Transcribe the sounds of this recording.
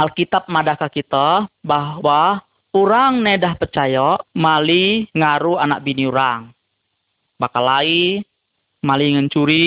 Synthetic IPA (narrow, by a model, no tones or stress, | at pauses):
ʔalkit̪ap̚madakakit̪ɔbaɦwa | uɾaŋnedahpərt͡ʃajamaliŋaɾuanak̚biniuɾaŋ | bakalai | maliŋəɲt͡ʃuɾi